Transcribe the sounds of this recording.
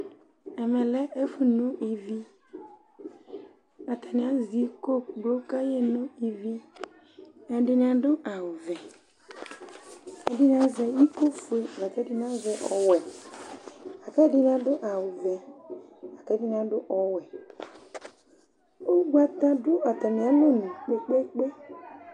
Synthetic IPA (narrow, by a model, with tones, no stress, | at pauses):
ɛ˨mɛ̃˨lɛ˦e˦fu˨nʊ̃˦ʔi˨vi˦ | a˨t̪ʰa˨nɪ̃˨ã˦zi˨ko˦ɡ͡blo˦ka˦je˦nʊ̃˦i˨vi˦ | ɛ˨dɪ˦nɪ̃˨˦ã˨dʊ˦ʔa˨wʊ˨vɛ˨ | ɛ˨di˦n˦a˦zɛ˨i˦ko˦fu˨e˨la˨kɛ˨˦di˦n˦a˦zɛ˨ʔɔ˨wɛ˨ | a˨kɛ˦dɪ˦n˦a˦dʊ˦ʔa˨wʊ˨vɛ˨ | a˨kɛ˨˦di˦n˨ã˨˦dʊ˦ʔɔ˨wɛ˨ | o˦ɡ͡ba˦ta˦dʊ˦a˨ta˨ni˨a˦lo˦nu˨k͡pe˨k͡pe˦k͡pe˦